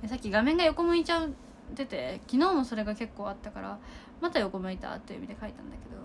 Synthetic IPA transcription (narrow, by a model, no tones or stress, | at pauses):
esakʲːiɡamẽ̞ŋɡajo̞ko̞mɯ̟it͡ɕaɯ | t̪ːe̞t̪e̞kʲino̞ːmo̞so̞ɾe̞ɡake̞kːo̞ːat̪ːakaɾa̰ | mat̪ajo̞ko̞mɯ̟it̪a̰t̪ːejɯ̰mid̪e̞kait̪ãnd̪ake̞d̪o̞